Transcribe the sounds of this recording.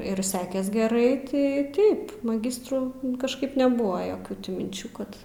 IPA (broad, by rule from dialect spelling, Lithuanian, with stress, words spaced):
ɪr ˈsʲæːkʲɛs ɡʲɛˈrɐɪ ˈtɐɪ ˈtɐɪp mɐˈɡʲɪstruː kɐʃˈkɐɪp nʲɛˈbʊʋoː ˈjoːkʲuː tʲɪ mʲɪnʲˈt͡ʃʲuː ˈkɐt